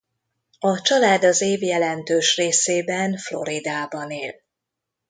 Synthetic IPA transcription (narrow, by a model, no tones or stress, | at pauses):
ɒt͡ʃɒlaːd̪ɒzeːvjɛlɛnt̪øːʃreːseːbɛnflo̞̰ɾid̪aːbɒneːl